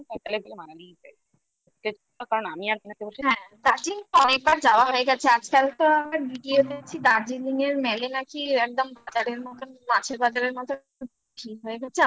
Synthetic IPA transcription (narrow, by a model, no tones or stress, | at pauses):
ɔtalebolemananipa̰ | k̪et͡ʃ | ɔkaɾonamiaɾkenɛkeboɾʃʰiɦɛ̃d̪aɾd͡ʑinɔnek̚baɾd͡ʑaoaɦoeɡɛt͡ɕʰead͡ʑkalt̪oamɾabiɖiod̪et͡ɕʰid̪aɾd͡ʑiliŋeɾmɛlenakiɛk̚d̪ɔmbad͡ʑaɾeɾmɔt̪omat͡ɕʰeɾbad͡ʑaɾeɾmɔt̪o | ʈʰikɦɔeɡɛt͡ɕʰea